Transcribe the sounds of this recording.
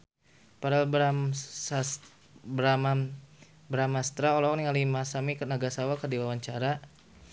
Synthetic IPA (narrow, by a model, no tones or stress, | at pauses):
paɾal | bɾama | bɾamast̪ɾaɔlaaniŋalimasamikənaɡasawakərdiwawaɲt͡ʃaɾa